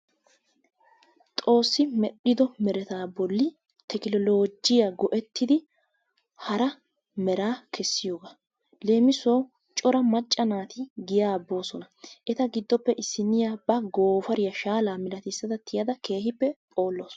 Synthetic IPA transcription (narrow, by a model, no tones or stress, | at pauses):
t̪ʼo̞ːsːɪmɛɗːɪd̪ɔmɛɾɛt̪aːbɔlːɪ | t̪ʰɛkɪlɔloːd͡ʒɪjaːɡɔʔɛt̪ːɪd̪ɪ | hɐɾɐ | mɛɾaːkɛsːɪjo̞ːɡa | le̞ːmɪso̞ː | t͡ʃʼɔɾɐmɐt͡ʃʼːɐnaːt̪ɪɡɪjaːbːo̞ːsɔnɐʔɛt̪ɐɡɪd̪ːɔpːɛʔɪsːɪnːɪjaːbɐɡo̞ːfɐɾɪjɐʃaːlaːmɪlɐt̪ɪsːɐd̪ɐt̪ːɪjɐd̪ɐke̞ːhɪpːɛpʼo̞ːlːoːs